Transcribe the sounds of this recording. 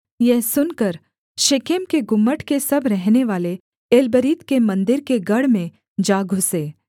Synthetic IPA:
jɛɦsʊnkəɾ | ʃɪkemkeɡʊmːəʈʰkesɐbʱɾɛɦneʋaːle | eːlbəɾiːt̪kemɐ̃nd̪ɪɾkeɡɐɽmẽ | d͡ʒaːɡʱʊseː

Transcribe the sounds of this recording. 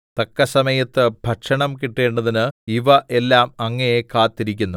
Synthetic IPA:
t̪ɐkːɐsɐmɐjɐt̪ːɨbʱɐʈʂɐɳɐmkiʈːe̞ːɳɖɐðinɨiʋɐʔelːaːmɐŋːɐjekaːt̪ːiɾikʲːunːu

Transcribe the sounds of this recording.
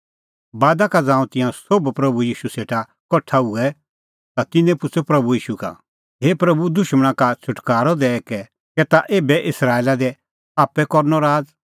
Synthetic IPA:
baːd̪akad͡zãːũt̪ɪ̃jãsobpɾɐbujiːʃuseːʈa | kɔʈʰːauɛ | t̪at̪ɪnːɛ̃pʊt͡sʰopɾɐbujiːʃuka̰ | ɦeːpɾɐbud̪ʊʃməɽ̃ãkat͡ʃʰʊʈkaːɾɔd̪ɛːkɛ | kɛt̪aʔeːbɛʔɪsɾaːelad̪ɛ | aːpːɛkɔɾnɔɾaːd͡z

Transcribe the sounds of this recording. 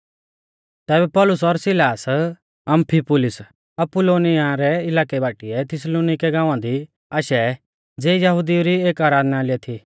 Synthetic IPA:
t̪ɛːbɛpɔːlʊs̬ɔɾsɪlaːs | ɐ̃mpʰipʊlɪs | ɐpʊloːnɪaɾɛɪlaːkɛbaːʈiɛt̪ʰɪsloːnɪkɛɡãːʋãd̪i | aːʃɛ | d͡zeːjɐɦʊd̪ioɾieːkaːɾaːd̪nalɪɛt̪ʰi

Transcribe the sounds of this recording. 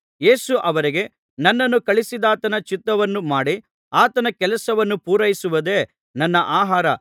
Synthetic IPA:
je̞ːsuʔɐʋɐɾiɡe̞ | nɐnːɐnːukɐɭisid̪aːt̪ɐnɐt͡ʃit̪ːɐʋɐnːumaːɽi | aːt̪ɐnɐkɛlɐsɐʋɐnːupuːɾɐjisuʋɐd̪e̞ː | nɐnːɐʔaːɦaːɾɐ

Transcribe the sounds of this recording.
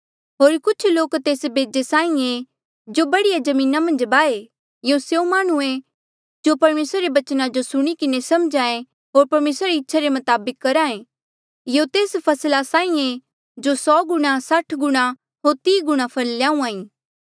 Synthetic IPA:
ɦoːɾkʊt͡ʃʰloːkt̪eːsbeːd͡ʒesãːĩe | d͡ʒobɐɽijad͡ʒɐmĩːnamɐ̃nd͡ʒbaːe | jõsjõmaːɽ̃uẽ | d͡ʒopɐɾmeːsɾaɾebɐt͡ʃnad͡ʒosʊɽ̃ikɪnesɐmd͡ʒãːẽ | ɦoːɾpɐɾmeːsɾaɾeiɪtːʃʰaɾemɐt̪aːbɪkːɐɾaːẽ | jõt̪eːspʰɐslasãːĩe | d͡ʒosɔːɡʊɽ̃asɐʈʰɡʊɽ̃a | ɦoːɾt̪iːɡʊɽ̃apʰɐlljãːũãːĩː

